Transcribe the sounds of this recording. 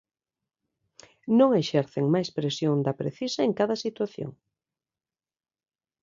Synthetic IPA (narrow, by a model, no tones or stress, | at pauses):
nõŋeʃɛɾθeŋmajspɾesjoŋd̪ɐpɾeθisɐeŋkaðɐsit̪waθjo̰ŋ